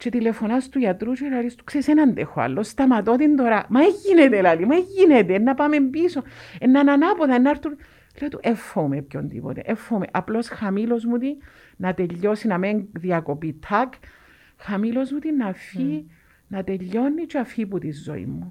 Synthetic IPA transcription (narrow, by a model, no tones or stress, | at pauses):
t͡ʃet̪ile̞fo̞nast̪uʝat̪ɾut͡ʃelaɾist̪u̥kseisenɐnd̪exoa̰lːo̞st̪ɐmɐt̪o̞t̪ind̪o̞ɾamaeʝinet̪elalimaeʝːinet̪eːnːapame̞mbisoenːananapoðɐenːaɾt̪un | let̪uʔefːoumepçond̪ḭpo̰t̪ḛʔefːoumḛʔaplo̞sxamilo̞zmut̪i | nɐt̪e̞ʎːo̞sinɐmeŋðiɐko̞pit̪ʰak | xamilo̞zmut̪inːafi | nɐt̪e̞ʎːo̞nːit͡ʃeafiput̪izːo̞̰ḭmːu